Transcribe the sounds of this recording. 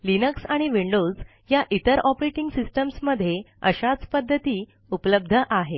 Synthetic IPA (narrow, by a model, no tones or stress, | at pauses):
linəksaɽ̃iʋiɳɖod͡z | jaʔit̪əɾɔpɾeʈiŋɡsisʈəmsməd̪ʱːje | ə̰ɕat͡spəd̪ʱːət̪iː | upləb̚d̪ʱəʔaɦe